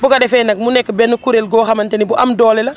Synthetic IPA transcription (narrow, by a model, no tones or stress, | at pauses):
bukɐdɛfɛːnɐk̚munɛkːbɛnːukuɾelɡɔːxɐmɐntɛnibuʔɐmdɔːlɛlɐ